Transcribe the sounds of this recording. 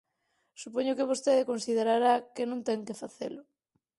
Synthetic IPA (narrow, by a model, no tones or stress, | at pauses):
supoɲʊkeβ̞ost̪eðɪkonsið̞eɾaɾakenũŋt̪ɛŋkɪfaθḛlʊ